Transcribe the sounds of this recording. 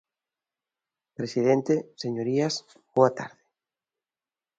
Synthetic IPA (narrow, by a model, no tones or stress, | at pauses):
pɾesiðent̪eseɲoɾias | boat̪a̰ɾðɪ̥